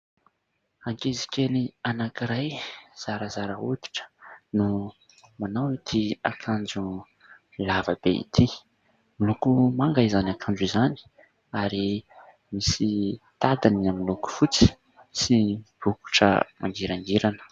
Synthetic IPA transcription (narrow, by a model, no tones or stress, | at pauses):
aŋkezi̥kenianakiɾajz̥aɾəzaɾəud̪i̥ʈ͡ʂə̥nu | manawit̪ʰia̰kʰand͡zu | lavəb̥eḭt̪ʰi | milukumaŋɡaizanakʰand͡ʒizani̥ | aɾi | misit̪ad̪aniamiluku̥fut͡si̥ | sib̥uku̥ʈ͡ʂə̰ma̰ŋɡiɾaŋɡiɾanə̥